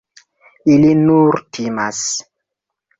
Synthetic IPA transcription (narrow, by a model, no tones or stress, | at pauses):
ilinuɾtʰimas